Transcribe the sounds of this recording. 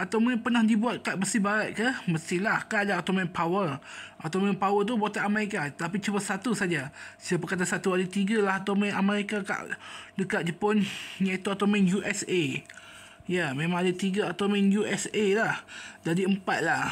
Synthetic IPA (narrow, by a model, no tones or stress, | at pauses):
at̪awmunpənahdibuat̪̚kaʔbəsibaɾat̪̚kəhməst̪ihlahkadaot̪omɛ̃npawərʔat̪omɛnpawət̪̬ubat̪aʔameɾikat̪ap̬it͡ʃubəsat̪usad͡ʒasiapəkat̪̬asat̪uadat̪iɡalahat̪omɛnʔameɾikaka̰ʔdəkaʔ̚d͡ʒəpɔnɲat̪oat̪omɛ̃njuʔɛse | jamẽmãŋadat̪iɡaat̪omɛnjuʔɛselahdadiəmpat̪̚lah